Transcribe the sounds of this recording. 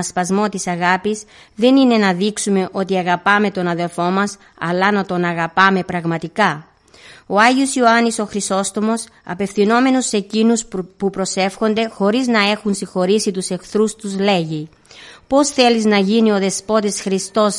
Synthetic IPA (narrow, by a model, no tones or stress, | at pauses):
ɐspɐzmo̞t̪isɐɣɐpis | ðe̞nine̞nɐðiksume̞ʔo̞t̪iɐɣɐpɐme̞t̪o̞nɐðe̞lfo̞mɐs | ɐ̰lɐnɐt̪o̞nɐɣɐpɐme̞pɾɐɣmɐt̪ikɐ | o̞ɐʝiosioɐniso̞xɾiso̞st̪o̞mo̞s | ɐ̰pe̞fθino̞me̞nuse̞cinuspupɾo̞se̞fxo̞nd̪e̞xo̞ɾiznɐe̞xunsixo̞ɾisit̪use̞kθɾust̪uzle̞ʝi | po̞sθe̞liznɐʝinio̞ðe̞spo̞t̪isxɾist̪o̞s